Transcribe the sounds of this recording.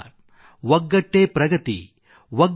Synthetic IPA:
ʋɐɡːɐʈːeːpɾɐɡɐt̪ḭ | ʋɐɡ

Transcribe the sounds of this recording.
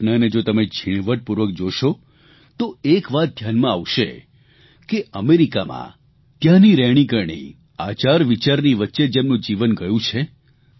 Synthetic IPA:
nəəned͡ʒot̪əmed͡ʒʰʱiɽ̃ʋəʈ̚puɾʋək̚d͡ʒoʃo | t̪oekʋat̪̚d̪ʱjanmãaʋʃḛ | keʔəmeɾika̰mã̰ | t̪jãniɾɛɽ̃ikəɾɳḭ | at͡ʃaɾʋit͡ʃaɾniʋətːʃed͡ʒemnũd͡ʒiʋənɡəjũt͡ʃʰe

